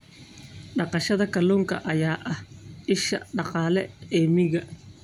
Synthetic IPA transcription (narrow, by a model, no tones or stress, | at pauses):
ɖɑqɑʃɐðɐkʰɐluːŋkʰɐ̰ʔɐjaːʔɐhʔɪʃɐ̰ɖɑqɑːlɛɛːmɪɣɐ